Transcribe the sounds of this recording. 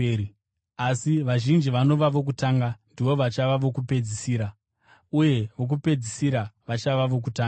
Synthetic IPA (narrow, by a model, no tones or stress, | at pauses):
asiʋaʒind͡ʒiʋano̞ʋaʋo̞k̬utaːŋɡandiʋo̞ʋat͡ʃaʋaʋokupe̞d͡zisiːɾa | uje̞ʋo̞k̬upe̞d͡zisiɾaʋat͡ʃaʋaʋo̞k̬utaːŋ